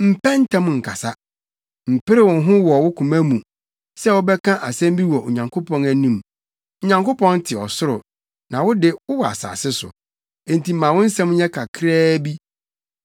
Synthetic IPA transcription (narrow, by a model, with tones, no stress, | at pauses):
m̩˨pʰɛ˦n̩˦tʰã˦m˨ŋ̩˨kʰa˨sa˦ | m̩˨pɪ˦ɾɪ˦˨wʊ̃˨n˦ɦʊ̃˦wɔ˨wʊ˦kʰũ˨mæ̃˦mũ˨ | sɛ˦wʊ˦bɛ˦kʰã˦ʔa˨sɛ̃˦m˦bi˦wɔ˨o˨ɲã˨ŋkʰo˦pʰɔ̃˦næ˨nĩ˦m | ʊ˨ɲã˨ŋko˦pʰɔ̃˦n˦tʰɪ˨ɔ˨sʊ˦ɾʊ˨ | nã˨wʊ˦dɪ˦wʊ˦wɔ˨a̰˨sa̰ː˨sɪ˦sʊ̰˨ | ẽ˨n̩˨tʰi˨mːã˨wʊ̃˦n̩˦sɛ̃˦m˦ɲɛ̃˦kʰa˨kʰɾɛː˦bi˦